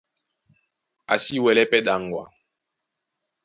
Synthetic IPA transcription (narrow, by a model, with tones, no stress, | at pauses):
a̰˨si˦wɛ˨lɛ˦pɛ˦ɗa˨ŋ˨ɡwa̰˨